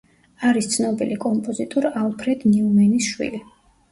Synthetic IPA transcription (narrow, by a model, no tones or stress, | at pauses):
aɾist̪sʰnɔbilikʼɔmpʼɔzit̪ʼɔɾalˠpʰɾɛd̪niumɛnisʃwḭli